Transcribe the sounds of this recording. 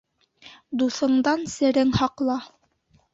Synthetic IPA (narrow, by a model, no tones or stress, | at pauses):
d̪uθɤ̆ɴd̪ɑnsɘ̆ɾɘŋhɑqlˠɑ